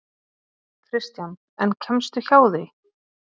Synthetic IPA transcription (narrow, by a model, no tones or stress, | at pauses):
kʰɾɪst̪jan | ɛncʰɛmst̪ʏçaːwðɪ